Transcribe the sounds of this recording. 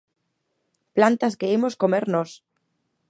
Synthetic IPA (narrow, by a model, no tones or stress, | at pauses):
plant̪askeemoskomeɾnos